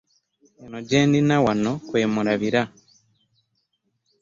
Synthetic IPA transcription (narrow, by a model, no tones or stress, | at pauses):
enoɟeːndinawano̞kwe̞ːmuɾaβiɾa